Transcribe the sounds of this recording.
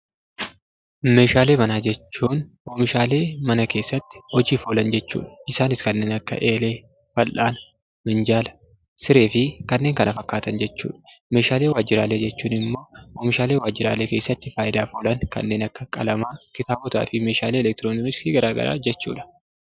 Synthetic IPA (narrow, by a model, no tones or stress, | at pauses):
me̞ːʃaːle̞ːmɐnaːd͡ʒɛt͡ʃːuːnʔoːmɪʃaːle̞ːmɐnɐke̞ːsːɐt̪ːɪ̥ɔd͡ʒiːfoːlɐnd͡ʒɛt͡ʃːṵːᶑɐ̥ʔɪsaːnɪskɐnːe̞ːnɐkːɐ̰ʔe̞ːle̞ː | fɐlʔaːn | mɪnd͡ʒaːlɐ̥ | sɪɾe̞ːfɪkɐnːeːŋkɐnʔɐfɐkːaːt̪ɐnd͡ʒɛt͡ʃːṵːᶑɐ̥ | me̞ːʃaːleːwaːd͡ʒːɪɾa̰ːle̞ːd͡ʒɛt͡ʃːuːnɪmːo̞ːoːmɪʃaːleːwaːd͡ʒːɪɾa̰ːle̞ːke̞ːsːɐt̪ːɪfaːjɪd̪aːfoːlɐnkɐ̰nːe̞ːnɐkːɐkʼɐlɐmaːkɪt̪aːbɔt̪a̰ːfɪme̞ːʃaːleːɛlɛk̚t̪ɪɾoːnɪmɪskiɡɐɾaːɡɐ̰ɾa̰ːd͡ʒɛt͡ʃːṵːᶑɐ̥